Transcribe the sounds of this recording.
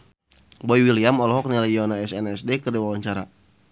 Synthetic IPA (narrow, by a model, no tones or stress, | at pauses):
bɔjwiliamɔlɔɦɔk̚nilajɔnaɛsɛnɛsdekərdiwawaɲt͡ʃaɾa̰